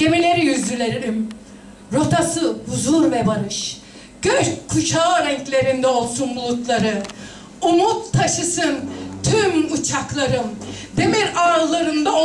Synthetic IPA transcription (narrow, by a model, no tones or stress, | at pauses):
ɟ̥e̞milʲe̞ɾijyzlʲylʲeɾiim | ɾo̞t̪ʰasɯbuzuɾvɛbaɾɯʃ | ɟ̥øɾkʰːut͡ʃʰaːɾɛɲclʲe̞ɾind̪ɛo̞lˠsunbulˠut̪lˠaɾɯ | umut̪ʰːaʃɯsɯnt̪ʰymut͡ʃʰaklˠaɾɯmd̪emiɾaːɾlˠaɾɯnd̪ao